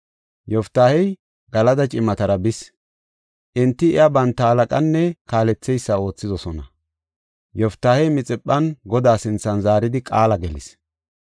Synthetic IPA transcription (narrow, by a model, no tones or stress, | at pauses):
jɔft̪ːaːhɛj | ɡ̥ɐlɐd̪ɐt͡ʃʼɪmɐt̪ɐɾɐbɪs | ʔɪnt̪ːɪɪ̰jabɐnt̪ːɐɐlɐkʼɐnːɛkaːlɛt͡sːɛjsːɐo̞ːt͡sːɪzɔsɔnɐ̰ | jɔft̪ːaːhɛjmɪt͡sʼɪpʼːɐnɡɔd̪aːsɪnt͡sːɐnzaːɾɪd̪ɪkʼaːlɐɡɛlɪ̰s